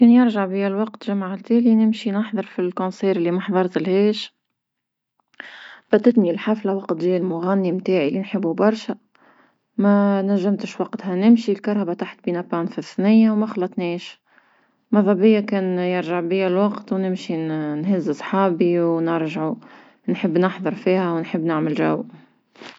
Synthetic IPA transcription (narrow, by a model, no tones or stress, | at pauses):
kɛːnjɪɾʒaʕbiælwɑqt̪ʒamaʕt̪æːlinɪmʃinɑħðˤɑɾˤfilkõnsˤiːɾɪlːimɑħðˤɑɾˤt̪ɪlhɛːʃ | b̥æt̪ːɪt̪milħaflawɑqt̪ʒiːlmʊɣænːimt̪aːʕilːinħəbːubɑɾˤʃæ | mænæʒːamt̪əʃwɑqt̪hænɪmʃilkɑɾˤɑbat̪aħt̪biːnapːaːnfiθnɪjːawmæxɑlːɑt̪ˤniːʃ | mɑðˤɑbɪjːakɛːnjɪɾʒaʕbiːælwɑqt̪wnɪmʃinɦɪzːɪsˤħɑːbiwnɪɾʒʕu | nħəbːnəħðˤɑɾˤfiːhæwnħəbːnɪʕməlʒaw